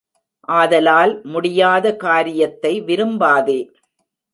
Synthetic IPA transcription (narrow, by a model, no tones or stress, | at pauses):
ʔaːðɐlaːlmʊɽɪjaːðɐkaːɾɪjɐt̪ːɐɪʋɪɾɯmbaːðeː